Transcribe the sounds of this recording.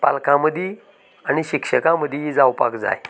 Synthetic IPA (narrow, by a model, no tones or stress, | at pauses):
palkãməd̪ʱji | añiɕikʂəkãməd̪ʱjid͡zawpa̰kd͡za̰j